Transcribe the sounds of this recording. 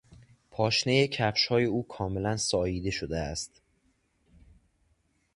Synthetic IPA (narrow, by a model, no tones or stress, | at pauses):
pʰɒːʃnejecʰæfʃhɒːje̞uːkʰɒːme̞lænsɒːjiːd̪e̞ʃod̪eæst̪